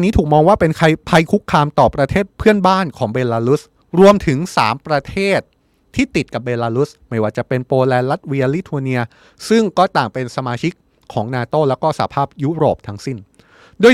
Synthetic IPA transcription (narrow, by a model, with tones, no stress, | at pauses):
nːiː˦˥t̪ʰuː˨˩k̚mɔː˧ŋwaː˥˩pe˧nkʰa˧jpʰa˧jkʰu˦˥kʰːaː˧mt̪ɔː˨˩pɾa˧t̪ʰeː˥˩t̪̚pʰɯ˥˩ənbaː˥˩nkʰɔː˩˦ŋbeː˧laː˧lu˦˥s | ɾu˧əmt̪ʰɯ˩˦ŋsa̰ː˩˦mpɾa˧t̪ʰeː˥˩t̪̚ʰː | iː˥˩t̪i˨˩t̪̚ka˨˩beː˧laː˧lu˦˥sma˥˩jwaː˥˩t͡ɕa˨˩pe˧npoː˧lɛː˧nla˦˥t̪̚wi˧li˦˥t̪ʰu˧ni˧ɐ | sɯ˥˩ŋkɔː˥˩t̪aː˨˩ŋpe˧nsa˧maː˧t͡ɕʰi˦˥kʰːɔː˩˦ŋnaː˧t̪oː˥˩lɛː˦˥wkɔː˥˩sa˨˩a˦pʰaː˥˩p̚juː˦˥ɾoː˨˩p̚t̪ʰa˦˥ŋsi˥˩n | duː˧˩j